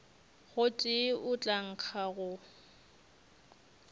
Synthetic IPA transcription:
ɣʊtʼɪʔʊt͡ɬʼaŋ̩k͡xʰaɣʊ

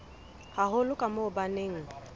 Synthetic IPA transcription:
haɦʊlʊkʼamʊʊbaneːŋ̩

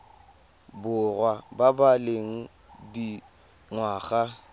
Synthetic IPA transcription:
bʊrwababaleŋ̩ | di | ŋwaːɣa

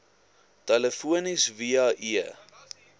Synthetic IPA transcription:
tɐləfuənisviɑːʔiə

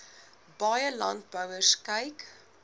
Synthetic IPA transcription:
bɑjəlɑ̰nt̚bœwərskɛjk

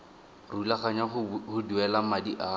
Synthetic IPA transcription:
rulaχaɲahʊduɛlamadiʔa

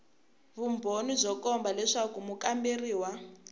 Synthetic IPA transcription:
βumbʱonizʷɔkɔmbalɛʂakumukamberiːwa

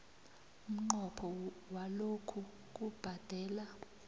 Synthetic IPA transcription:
um̩ŋ͡ǃɔpʰɔ | walokʰu | k̬ʼub̥ʱad̥ʱɛːla

